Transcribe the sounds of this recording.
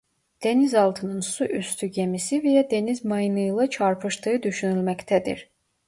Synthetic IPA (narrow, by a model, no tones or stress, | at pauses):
d̪̥e̞nizɑlˠt̪ʰɯnɯnsuʔyst̪ʰyɟemisivijɛd̪e̞nizmɑjɯnɯjlˠɑt͡ʃʰɑɾpʰɯʃt̪ʰɯɯd̪yʃynylʲmæct̪ʰæd̪ḭɾ